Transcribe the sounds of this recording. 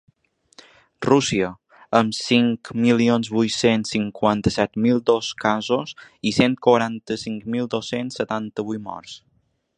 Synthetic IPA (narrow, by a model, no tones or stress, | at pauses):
rusiə | əmsiŋkmilionzβuj̪sensːiŋkwant̪əsɛt̪milˠd̪oskazosisent̪̚kwəɾant̪əsiŋkmilˠd̪osensːət̪ant̪əβujmɔ̰ɾs